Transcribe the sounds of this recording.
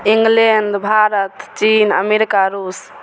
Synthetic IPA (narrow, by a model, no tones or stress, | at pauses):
iŋɡleɳɖbʱaɾət̪t͡ʃinə̰meɾikaɾus